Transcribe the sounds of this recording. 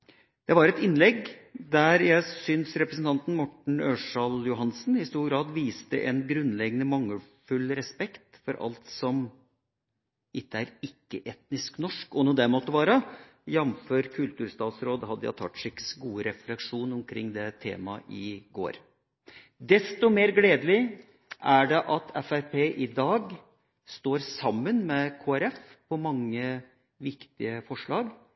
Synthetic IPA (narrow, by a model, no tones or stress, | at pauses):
d̪̥ɛʋɑɾɛt̪ɪnlɛɡd̪æɾjæɪsʏnsɾɛpɾəsn̩t̪ɑnt̪n̩mɔʈɳ̩øːʂɑljʊɦɑnsnhɪst̪uːɾɡɾɑːd̪ʋiːst̪əʔɛnɡɾʉnːlɛɡənəmɑŋːəlfʉlɾɛspɛkt̪fɔɾʔɑ̰lt̪sɔm | ʔɪt̪ːəæɾɪkːəʔɛt̪nɪsknɔʂkɔnuːd̪ɛmɔt̪ːəʋɑːɾə | jɛnføːɾkʰʉlt̪ʉːɾst̪ɑːt̪sɾoːd̪hɑd̪ːəjɑ̰t̪ʰɑ̰t̪ːʂɪksɡuːəɾɛflɛkʂuːnʊmkʰɾɪŋːd̪ɛt̪ʰḛːmɑʔɪɡo̰ːɾ | d̪ɛst̪ɔmeːɾɡleːd̪əlɪ | ʔæɖɛʔɑt̪ʰɛfæɾpʰeːʔɪd̪ɑːɡ | st̪oːɾsɑmːənmɛkʰoːæɾɛfpʰɔmɑŋːə | ʋɪkt̪ɪəfɔʂɭɑːɡ